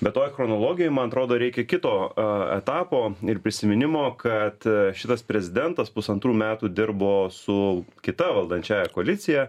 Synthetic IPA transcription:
bʲɛt̪oːjxɾɔnoːlˠoːɡʲɪjoɔɪmɐnɐt̪ɾoːd̪oːɾʲɛɪkʲɛkʲɪt̪oːɛ̰t̪ɑːpoːɪɾpʲɾʲɪsʲɪmʲɪnʲɪmoːkɐt̪ʃʲɪt̪ɐspʲɾʲɛzʲɪd̪ʲɛnt̪ɐspʊsɐnt̪ɾuːmʲæːt̪uːd̪ʲɪɾboːsʊkʲɪt̪ɐʋɐlˠd̪ɐnʲt͡ʃʲæːjɛkoɐlʲɪt̪sʲɪjɛ

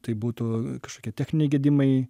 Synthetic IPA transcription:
t̪ɐɪbuːt̪ʊkɐʃkoːkʲiɛtʲæːxʲnʲɪnʲɛɪɡʲɛːd̪ʲɪmɐɪ

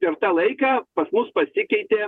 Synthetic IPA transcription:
pʲɛɾt̪ɑːlˠɐɪkɑːpɐsmʊspɐsʲɪkʲɛɪt̪ʲeː

